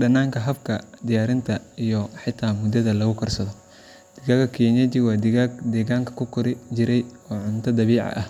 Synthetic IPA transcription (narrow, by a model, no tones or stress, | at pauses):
ɖɐnaːŋkʰɐɦɐbkʰɐd̪ɪjaːɾɪnt̪ʰɐijɔħɪt̪ʰːaːmʊd̪ɐðɐlɐɣʊkʰɐrsɐðɔ | d̪̥ɪɡaɡɐkʰiːnɐt͡ʃɪwɑːd̪ɪd̪ɛːɣaːŋkʰɐ̥kʰʊkʰʊɾɪt͡ʃɪɾɛjɔːʕʊnt̪ʰɐd̪ɐβiːʕɑ̰ʔɐh